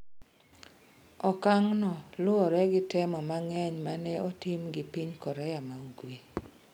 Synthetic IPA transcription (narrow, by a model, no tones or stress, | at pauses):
ɔkaŋnɔlʊɔɾɛɡɪtɛmɔmaŋɛɲmanɛotimɡɪpiɲkɔɾɛjamauɡwe